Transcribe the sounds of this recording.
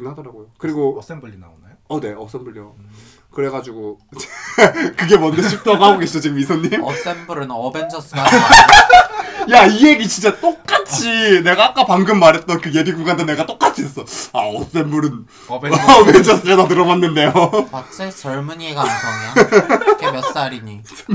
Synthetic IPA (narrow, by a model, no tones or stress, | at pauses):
ɯnɦadʌɾaɡojokɯɾiɡo | ʌne̞ʌs͈embuɾo | kɯɾe̞ɡad͡ʑiɡot͡ɕekɯɡe̞mwʌnd͡ʑet͡ɕʰik̚t͈oɡɦaɡoɡeɕʰit͡ɕot͡ɕiɡɯmisʰʌɲːims͈embuɾɯnʌbend͡ʑʌs͈ | jaije̞ɡit͡ɕint͡ɕ͈at͈ok̚k͈at͡ɕʰine̞ɡaːk͈apaŋɡɯmːaɾɦe̞t̚t͈ʌnkɯje̞biɡuŋɡandenːe̞ɡat͈ok͈at͡ɕʰiɦes͈ʌaʌs͈embuɾɯn | ʌbend͡ʑʌs͈ɯɾedat̬ɯɾʌmanːɯnde̞jopat͡ɕ͈ʰet͡ɕʌɭmuɲieɡaamʌkmjʌs͈aɾiɲi